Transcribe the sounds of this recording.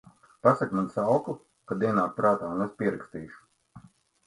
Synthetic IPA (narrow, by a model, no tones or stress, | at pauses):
pasakmansawku | kad̪iɛnaːt̪̚pɾaːt̪aːunespʲiɛɾakst̪iːʃu̥